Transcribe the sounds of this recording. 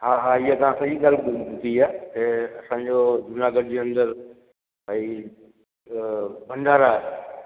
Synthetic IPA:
ɦaːɦaːiɦat̪ɐʋ̤ãsɐd͡ʑiɡaːlbʊt̪iaːk̪eɐsãːɲd͡ʑod͡ʒʊnaːɡəɽd͡ʑeːɐ̃nd̪əɾ | ai | bʱɐ̃ɳɖaːɾaːɦ

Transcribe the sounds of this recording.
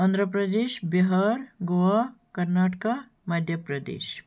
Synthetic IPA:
ənd̪ɾəpɾəd̪eːɕbeɦaɾɡoʋakəɾnaʈka | mad̪ʱjəpɾəd̪ḛːɕ

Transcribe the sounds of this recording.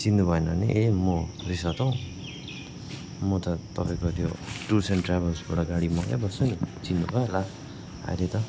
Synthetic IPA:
t͡sinːubʱʌenaniʔemorisat̪ʌw̃ | mʌt̪ʌt̪ʌpaj̃kot̪joʈursenʈrabʌlsbaɽʌɡaɽimʌka̰bʌsonit͡sinːubʱʌela | a̰ɾet̪ʌ

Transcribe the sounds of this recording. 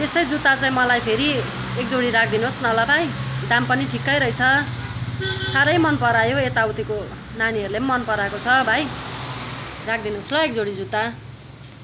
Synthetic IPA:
t̪est̪ʌjd͡zut̪ːat͡saĩmʌlajpʰeɾi | ek̚d͡zoɽiɾak̚ʰd̪inoɦosnʌlʌbʱajd̪ampʌniʈʰikːʌjɾʌit͡sʰʌ | saɾʌjmʌnpʌɾajoet̪awt̪iko | naniɦʌɾulemʌnpʌɾakot͡sʰʌbʱaj | rak̚ʰd̪inoslʌekd͡zoɽid͡zut̪ːa

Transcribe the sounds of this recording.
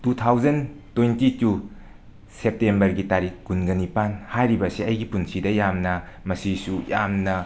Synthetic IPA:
tutʰawd͡ʒɐntojntitu | sep̚tembɐɾɡitaɾik̚ːunɡɐnipanhajɾibɐsiɐjɡipunsʰidɐjamnɐmɐsisujamnɐ

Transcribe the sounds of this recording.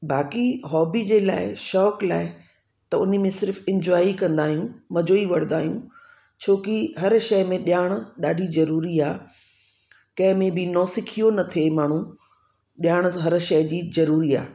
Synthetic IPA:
bʱaːkiɦɔːbid͡ʑeːlaːɪʃɔːklaːɪ | t̪ɐʊnəmẽsɪɾfɪ̃ɲd͡ʑwaːikɐ̃nd̪aːɦijũmɐd͡ʑoːiʋɐɽ̃nd̪aːɦijũ | t͡ɕʰoːkiɦɐɾʃɐɪmẽɗjaːɽ̃ʊ̆ɗaːɖʱizɐɾuːɾiaː | kɐ̃ɦɪ̃mẽbɪnɔːsɪkʰijonɐt̪ʰemaːɳ̤ũ | ɗjaːɽ̃ɦɐɾʃɐɪd͡ʑiːzɐɾuːɾia̰ː

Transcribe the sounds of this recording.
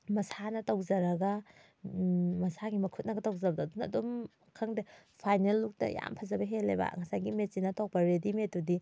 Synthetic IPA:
mɐsanɐtɐwzɐɾɐɡɐ | mɐsaɡimɐkʰut̚nɐɡɐtɐwzabdɐːdunɐ̰dum | kʰɐŋdipʰajnelːuk̚tɐ̰ja̰mpʰɐzɐbɐɦelːḛba̰ŋɐsajɡimet̚zinɐtok̚pɐɾedimetːudi

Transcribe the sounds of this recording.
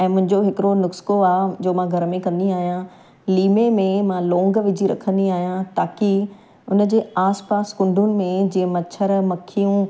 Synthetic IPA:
ɛ̃ːmʊ̃ɦɪ̃ɲd͡ʑoɦɪkɪɾonʊkskoaːɦd͡ʑoːmãɡʱɐɾmẽkɐ̃nd̪iaːɦijã | liːmemẽmãlɔ̃ːŋɡʋɪd͡ʑʱiɾɐ̰kʰə̃nd̪iaːɦijãt̪aːki | ʊnəd͡ʑeːaːspaːskʊ̃ɳɖʱʊnɪ̆mẽd͡ʑiːə̃mɐt͡ɕʰəɾmɐkʰijũ

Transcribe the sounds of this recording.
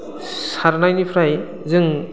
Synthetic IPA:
saɾnajnipʰɾaj | zɯŋ

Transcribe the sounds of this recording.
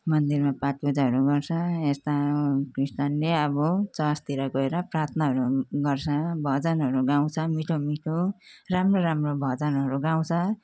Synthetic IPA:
mʌnd̪irmapaʈ̚pud͡zaɦʌɾuɡʌrt͡sʰʌest̪akrist̪anleʌbʌt͡sʌst̪iɾaɡʌeɾʌprat̪ʰnʌɦʌɾuɡʌrt͡sʰʌbʱʌd͡zʌnɦʌɾuɡaw̃t͡sʰʌmiʈʰomiʈʰoramroɾamrobʱʌd͡zʌnɦʌɾuɡaw̃t͡sʰʌ

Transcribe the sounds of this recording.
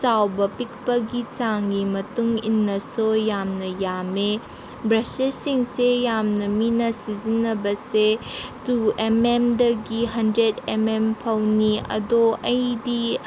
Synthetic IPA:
t͡ʃawbɐpik̚pɐɡit͡ʃaŋɡimɐtuŋḭnːɐsojamnɐjame | bɾaselsiŋsejamnɐminɐsizinːɐbɐsetuememdɐɡiɦɐndɾedemempʰɐwniɐ̰doɐjdi

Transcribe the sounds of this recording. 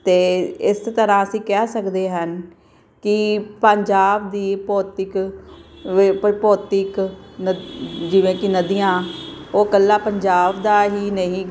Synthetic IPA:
t̪eːɪst̪əɾãːəsĩːkɛːsəkd̪eːɦən | kɪpəɲd͡ʒaːbd̪iːpɔːt̪ɪk | pɔːt̪ɪknd͡ʒɪʋẽːkɪnəd̪iːjãːoːkəlːaːpəɲd͡ʒaːbd̪aːɦiːnəĩː

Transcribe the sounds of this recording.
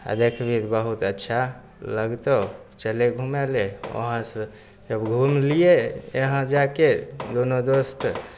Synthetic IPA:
a̰d̪ekʰbʱit̪bəɦut̪ətːʃʰa | ləɡt̪ə | t͡ʃəleɡʱumeleo̰ɦə̃sə̃ | d͡ʒəbɡʱumlijeeɦə̃d͡ʒaked̪onod̪ost̪

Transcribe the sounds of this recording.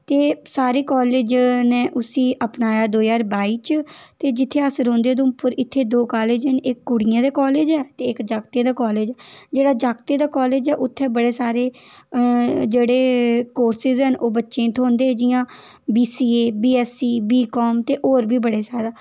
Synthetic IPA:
t̪eːsaːɾeːkɔːleːd͡ʒneːʔʊsĩːəpnaːjaːd̪oːjaːɾbaːiːt͡ʃt̪eːd͡ʒɪt̪ʰːeːəsɾõːnd̪eːd̪õːpəɾɪt̪ʰːeːd̪oːkaːleːd͡ʒɦənɪkːʊɽɪjãːd̪eːkɔːleːd͡ʒɛːt̪eːɪkd͡ʒaːkt̪eːd̪aːkɔːleːd͡ʒɛːd͡ʒeːɽaːd͡ʒaːɡt̪eːd̪aːkɔːleːd͡ʒɛːʔʊt̪ʰːɛːbəɽeːsaːɾeː | d͡ʒeːɽeːkoːɾsɪzɦənʔoːbətːʃẽːt̪ʰõːnd̪eːd͡ʒɪjãː | biːsiːeːbiːɛːsiːbiːkɔːmt̪eːʔoːɾbʱiːbəɽeːsaːd̪aː

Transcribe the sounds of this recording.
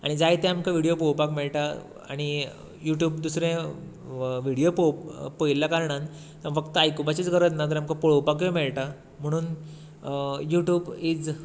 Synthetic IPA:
a̰ɽ̃id͡zajt̪ɛamkaʋiɽijopowpakmɛɭʈa | a̰ɽ̃i | juʈjuːbd̪usɾẽ | ʋiɽijopopojlːakaɾɳ̃an | t̪ãfəkt̪əajkupat͡ɕit͡sɡəɾət̪nat̪̬əɾamkapɔɭowpakjemɛɭʈa | m̤əɽ̃uːn | juʈjuːbid͡z

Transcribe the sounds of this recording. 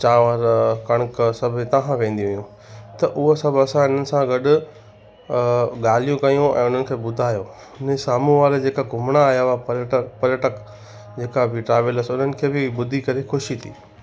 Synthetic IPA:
t͡ɕãːʋaːɾkɐɽ̃ksɐbʱɪt̪ɐɦãʋẽːn̆d̪iɦʊijũ | t̪ɐʔʊɦosɐbʱɐsãɪn̤ənɪ̆sãɡɐɗʊ | ɠaːl̤ijũkɐjũɛ̰̃ːʊn̤ənɪ̆kʰeːɓʊd̪ʱaːjoː | ʊnesaːmũʋaːɾed͡ʑeːkaɡʱʊmɽ̃aːjaapɐɾjəʈək | d͡ʑeːkabɪʈɾaːʋələsʊn̤ənɪ̆kʰeːbɪɓʊd̪ʱikɐɾexʊʃit̪ʰḭː

